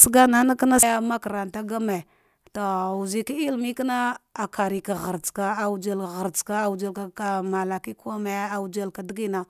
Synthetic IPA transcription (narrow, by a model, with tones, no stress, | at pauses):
sə˦ɡa˦na˦na˦ka˦na˦ja˦ma˦ka˨ɾa˨n˨ta˦ɡa˦me˨ | to˨u˨zi˨ki˦i˦lmi˦kna˦a˨kʰa˨ɾi˨ka˨ɣa˨ɾt͡ska˦a˨u˦d͡ʒa˦la˨ɣa˨ɾt͡ska˦a˨u˨d͡ʒa˦lka˨ka˨ma˨la˨ki˦ka˦ma˨ja˨u˦d͡ʒa˦lka˨di˦ɡi˦na˨